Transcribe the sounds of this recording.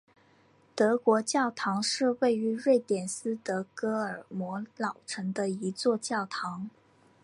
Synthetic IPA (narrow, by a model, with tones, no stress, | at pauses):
t̪ɤ˧˥kwɔ˧˥t͡ɕjɑ˥˩ʊt̪ʰɑ˧˥ŋʂɻ̩˥˧we˥˩ɪy˧˥ɻwe˥˩ɪt̪jɛ˨˩nsɹ̩˥t̪ɤ˧˥kɤ˥ə˞˨˩mwɔ˧˥lɑ˨˩ʊʈ͡ʂʰɤ˧˥ŋd̪ə˧i˧˥t͡swɔ˥˧t͡ɕjɑ˥˩ʊt̪ʰɑ˧˥ŋ